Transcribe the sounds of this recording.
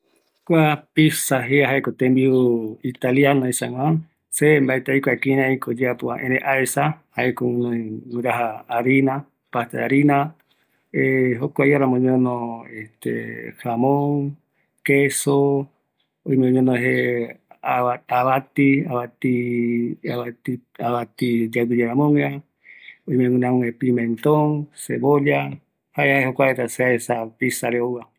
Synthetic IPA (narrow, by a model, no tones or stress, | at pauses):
kʷapisaɦeaɦaekot̪ẽmbiuit̪aljanõĩsaŋãn | sembaet̪aikʷakiɾãikod͡ʒeapuãʔẽɾẽʔaesahaekõnõĩwɨ̃ɾaɦaːɾina | paht̪eaɾina | eɦokʷajaɾamõɲõnõeht̪ḛhamõŋ | keso | oijmẽõɲõnõɦe | aaβat̪iaβat̪i | aβat̪iaβat̪id͡ʒaɡid͡ʒaɾamõŋea | ojmẽŋũnãũŋẽpimẽnt̪õŋseβoʎa | haeaeɦokʷaeɾaseaesapisaɾeowa